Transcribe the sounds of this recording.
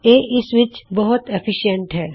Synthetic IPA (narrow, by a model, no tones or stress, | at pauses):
jeːʔɪsʋɪt͡ʃbɐɦʊt̪efʰɪʃijə̃ɳʈɦɛː